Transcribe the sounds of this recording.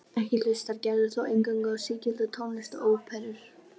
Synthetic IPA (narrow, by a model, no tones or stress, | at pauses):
ɛhcɪlʏst̪aɾcaɾðʏ̥θowʔejnkawŋkaðsɪːcɪlt̪ʏt̪ʰownlɪst̪ɔoːwpʰɛɾʏɾ̥